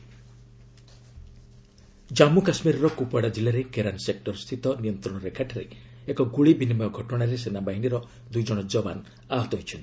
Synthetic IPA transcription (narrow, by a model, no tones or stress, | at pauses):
d͡ʒamukasmiɾɔɾɔkupaɽad͡ʒilaɾekeɾansek̚ʈɔɾst̪ʰit̪ɔnijɔnt̪ɾɔɽ̃ɔɾekʰaʈʰaɾe | ekɔɡuɭibinimɔjɔɡʱɔʈɔɽ̃aɾesenabaɦiniɾɔ | d̪ujd͡ʒɔɽ̃ɔd͡ʒɔba̰n | aɦɔt̪ɔɦojt͡ʃʰɔn